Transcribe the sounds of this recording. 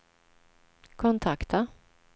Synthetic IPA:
kʰɔnt̪ʰakt̪a

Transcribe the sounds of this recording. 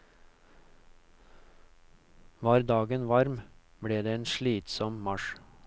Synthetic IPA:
ʋɑːɾd̪ɑːɡənʋɑɾmbɽeːd̪eːeːnʃɭiːt̪sɔmmɑʃ

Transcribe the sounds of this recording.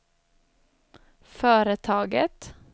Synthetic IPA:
føːɾət̪ʰɑːɡə̰t̪

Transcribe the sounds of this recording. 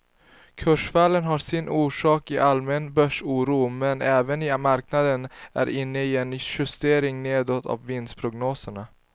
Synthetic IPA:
kʰɵʂfaːlːənɦasɪnʔuːʂɑːkɪʔalmɛnbœʂuːɾuːmɛnɛːvənɪmaɾknad̪ənæ̰ɾʔɪnːəɪɛnɧɵst̪eːɾɪŋneːd̪ɔt̪ʰːa̰vːɪnspʰɾʊɡnoːsəɳa

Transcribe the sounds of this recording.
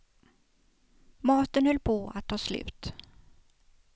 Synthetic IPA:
mɑːt̪ənhɵlːpʰoːa̰t̪ʰːɑːslʉ̟̰ːt̪

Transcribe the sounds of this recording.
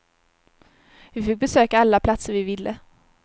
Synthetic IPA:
vɪfɪk̚bɛsøːkaalːapʰlat̪səɾvɪvɪlːə

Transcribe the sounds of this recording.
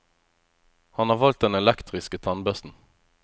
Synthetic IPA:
hɑnhɑːʁʋɑlt̪̚d̪ɛnɛlɛkt̪ʁɪskət̪ʰɑnbœst̪n̩

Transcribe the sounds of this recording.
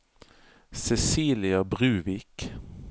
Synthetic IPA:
sɛsiːlɪɑbʁʉːʋɪk

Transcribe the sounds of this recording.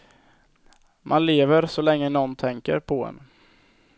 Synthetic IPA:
mʔanleːvəɾsɔlɛŋːənɔnːt̪ʰɛŋkə̰ɾpʰɔɛ̰n

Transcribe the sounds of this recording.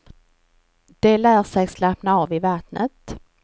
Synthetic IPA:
d̪̥ɛlæːɾʂɛɡslapnaɑːvɪvat̪nət̪

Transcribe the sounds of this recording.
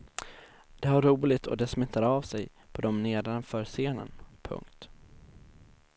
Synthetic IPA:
d̪̥ɛhaɾːuːlɪt̪ʰɔ̰d̪ɛsmɛt̪ʰːaɾavsɛj | pʰɔd̪ɔmneːd̪anfœːɾseːnə̰npʰɵ̰ŋkt̪

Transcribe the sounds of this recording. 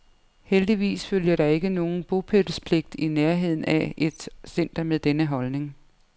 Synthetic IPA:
held̥iʋḭːsføljɐɾ̥ɑ̈e̝ɡ̥əno̝ːn̩b̥o̝pʰed̥əspʰle̝ɡ̥̚d̥ineɐɦe̝ð̞̰ˠn̩æe̝d̥sen̰d̥ɐmeðˠd̥enəɦɒ̽lne̝ŋ

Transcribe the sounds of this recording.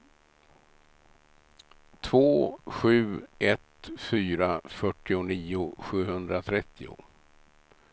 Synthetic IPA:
t̪ʰvoːɧʉ̟ːɛt̪fyːɾafœʈːɪʊniːʊɧʉ̟ːhɵnd̪ɾat̪ʰɾɛt̪ʰːɪʊ̰

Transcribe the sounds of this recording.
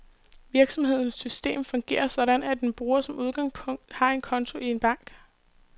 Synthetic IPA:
ʋiɐɡ̥sɒ̽mhe̝ð̞̰ˠn̩sːysd̥e̝̰ːmfɒ̽ŋɡ̥e̝̰ːɐsɒ̽ɾ̥ænæd̥enb̥ʁuːɐsɒ̽mʔuð̞ˠɡ̥ɑ̈ŋspʰɔ̽ŋ̰d̥hɑ̈e̝nkʰɒ̽nt͡sʰo̝ʔie̝nb̥ɑ̈ŋ̰ɡ̥

